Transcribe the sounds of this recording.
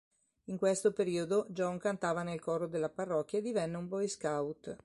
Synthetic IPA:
iŋkwest̪opeɾiːod̪od͡ʒɔŋkant̪aːvanelkɔɾod̪elːaparːɔkʲːjaed̪ivɛnːeumbɔjskawt̪

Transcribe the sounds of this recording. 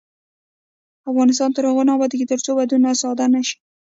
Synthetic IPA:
afɣɑnɪs̬t̪ɑnt̪əɾhaɣonɑbɑd̪iɡit̪əɾt͡sobad̪unasɑd̪anaʃi̥

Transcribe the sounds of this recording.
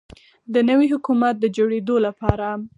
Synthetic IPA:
d̪ənəwiɦʊkumat̪̚d̪əd͡ʒoɽed̪olapɑɾa

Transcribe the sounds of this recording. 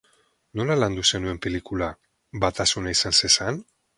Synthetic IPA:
no̞laland̪use̞nue̞mpe̞likula | bat̪asunaisansesan

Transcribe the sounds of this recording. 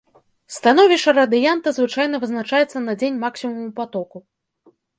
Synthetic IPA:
st̪anɔvʲiʂɐɾɐd̪ɨjant̪ɐzvɨt͡ʂajnɐvɨznat͡ʂajɛt̪sːɐnɐd͡zʲenʲmaksʲimɐmupat̪ɔku

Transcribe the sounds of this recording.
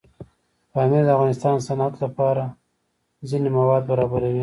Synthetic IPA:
kɑmed̪əafɣɑnɪst̪ɑnsanat̪lapɑɾa | zinemawɑd̪̚baɾɑbaɾawi

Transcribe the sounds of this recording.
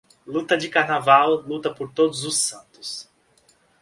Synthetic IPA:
lut̪ɐd͡ʒɪkaɾnavawlut̪ɐpoɾt̪od̪ʊzʊsɐ̃nt̪ʊs

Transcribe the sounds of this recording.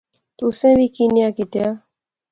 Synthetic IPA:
t̪ʊsẽːʋiːkiːnjaːkit̪jaː

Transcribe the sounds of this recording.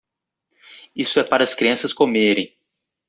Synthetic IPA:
isʊɛpaɾɐskɾiɐ̃sɐskomeɾẽj̃

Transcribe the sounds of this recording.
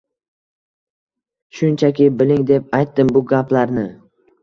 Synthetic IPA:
ʃʊnt͡ʃʰakʲɪbɪlɪŋd̪e̞p̚ajt̪ːɪmbʊɡʲaplaɾnɪ

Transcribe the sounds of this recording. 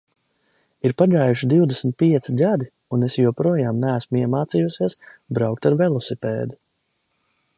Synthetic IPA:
iɾpaɡaːjuʃid̪iwd̪esmʲt̪̚piɛt̪siɡad̪i | unesjuɔpɾuɔjaːmnæːsmuiɛmaːt̪sijusiɛsbɾawk̚t̪aɾvelˠɔsipḛːd̪u

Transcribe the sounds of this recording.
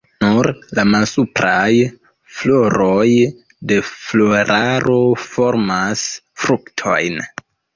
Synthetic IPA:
nuɾlamalsupɾaj | flo̞ɾoj | de̞flo̞ɾʔaɾo̞fo̞ɾmas | fɾuktʰo̞̰jn

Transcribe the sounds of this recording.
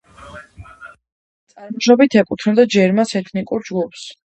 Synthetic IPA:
tt̪sʼaɾmɔʃɾɔbit̪ʰɛkʼut̪ʰnɛd̪ad͡ʒɛɾmasɛt̪ʰnikʼuɾd͡ʒɡupʰs

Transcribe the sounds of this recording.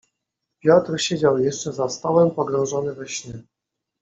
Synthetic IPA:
pʲjɔt̪ɾɕed͡ʑawjɛʂt͡ʂɛzast̪ɔwɛmpɔɡɾɔ̃w̃ʐɔnɘvɛɕnʲɛ

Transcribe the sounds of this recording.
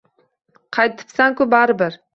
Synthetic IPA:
qʰɑjt̪ʰɪ̥psaŋkʊbaɾɪbɪɾ

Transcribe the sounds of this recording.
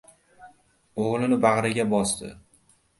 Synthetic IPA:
oʁlˠɪnɪbaʁɾaɡʲabɒst̪ɪ̰

